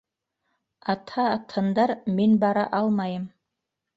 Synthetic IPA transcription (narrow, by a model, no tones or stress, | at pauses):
ɑt̪hɑːt̪ʰːɤ̆nd̪ɑɾminbɑɾɑʔɑlˠmɑjɤm